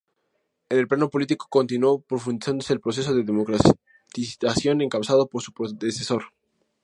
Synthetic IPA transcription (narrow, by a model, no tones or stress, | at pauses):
enelplano̞po̞lit̪iko̥ko̞nt̪inuopɾo̞fund̪isand̪ose̞ːlpɾo̞s̬e̞s̬o̞ðeðemokɾa | t̪iasjo̞ne̞ŋkaβwsaðo̞poɾsu̥pɾoðeseso̞ɾ